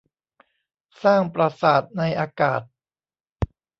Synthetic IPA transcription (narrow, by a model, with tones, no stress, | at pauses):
saː˥˩ŋpɾa˧saː˨˩t̪̚na˧jʔaː˧ka̰ː˨˩t̪̚